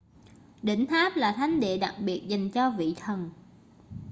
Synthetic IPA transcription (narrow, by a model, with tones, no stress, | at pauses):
ɗḭ̈˧˩ŋ̟t̪aː˦˥p̚laː˨˩t̪ʰa˨˦jŋ̟ɗḛ˧˨ɗa˨˩k̚ɓi˨˩ət̚za˨˩jŋ̟t͡ɕɔ˧vḭ˧˨t̪ʰə˨˩n